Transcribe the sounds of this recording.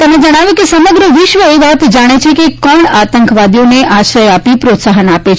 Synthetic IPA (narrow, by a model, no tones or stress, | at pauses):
t̪əmned͡ʒəɽ̃aʋjõkesəməɡɾəʋɪʃʋəeʋat̪d͡ʒaɽ̃et͡ʃʰekekɔɳat̪əŋkʋad̪ijoneʔaʃɾəjapipɾot̪saɦənapet͡ʃʰ